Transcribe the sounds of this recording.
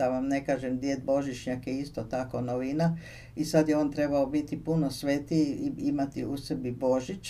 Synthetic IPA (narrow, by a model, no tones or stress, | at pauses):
aʋamne̞kaːʒemd̪jed̪̚bo̞ʒit͡ʃɲakjeist̪ot̪ako̞noʋina | isad̪jeo̞ːnt̪ɾe̞baobit̪ipuno̞sʋet̪iimat̪iusebibo̞ʒit͡ʃ